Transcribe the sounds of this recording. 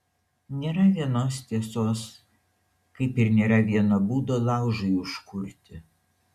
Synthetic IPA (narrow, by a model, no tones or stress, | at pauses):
nʲeːɾɐʋʲiɛnoːst̪ʲiɛsoːs | kɐɪpɪɾnʲeːɾɐʋʲiɛnɐbuːd̪oːlˠɑˑʊʒɐɪʊʃkʊɾʲt̪ʲɪ